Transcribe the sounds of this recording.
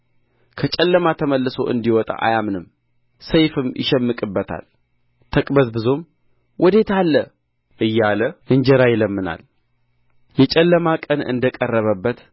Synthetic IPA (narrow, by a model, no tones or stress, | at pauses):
kʰət͡ʃʼɛlːəmat̪ʰəməlːɨso̞̰ʔɨ̰nd̪iwɔt̪ʼa̰ʔa̰jamnɨm | səjfɨmjɪ̰ʃɛmːɨkʼɨbːət̪ʰa̰l | t̪ʰəkʼbəzbɨzom | wʔɔd̪e̞t̪ʰalːə | ʔɨjːaləʔɨnd͡ʒɛɾajɛləmːɨna̰l | jɛt͡ʃʼɛlːəmakʼənɨ̰nd̪əkʼərːəβəbːət̪